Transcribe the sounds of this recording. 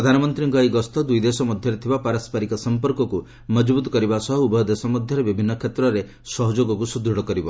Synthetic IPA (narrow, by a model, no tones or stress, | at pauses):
ɾɔd̪ʱanɔmɔnt̪ɾiŋɡɔjɡɔst̪ɔd̪ujd̪esɔmɔd̪ʱjɔɾet̪ʰibapaɾɔspaɾikɔsɔmpɔɾkɔku | mɔd͡ʒbut̪ɔ̥kɔɾibasɔɦɔubɔjd̪esɔmɔd̪ʱjɔɾebibʱinːɔkʰet̪ɾɔɾe | sɔɦɔd͡ʒoɡɔkusud̪ɾuɽɔkɔɾibɔ